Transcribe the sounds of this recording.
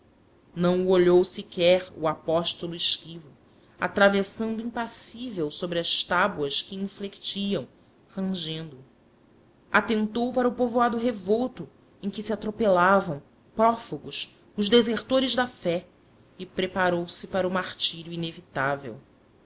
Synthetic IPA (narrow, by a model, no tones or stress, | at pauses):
nɐ̃w̃uoʎowsikɛɾṵapɔʃt̪oluɪʃkivu | a̰t̪ɾavesɐ̃nd̪ʊĩpasivewsobɾɪɐʃt̪abwɐskɪĩflekt͡ʃiɐ̃w̃ | hɐ̃ʒẽnd̪ʊ | ʔat̪ẽnt̪owpaɾɐʊpovoad̪ʊɦevowt̪ʊ | ẽj̃kɪsiat̪ɾopelavɐ̃w̃ | pɾɔfuɡʊʃ | ʊʒd̪ezeɾt̪oɾɪʒd̪ɐfɛ | ɪpɾepaɾowsɪpaɾɐumaχt͡ʃiɾjuinevit̪avḛw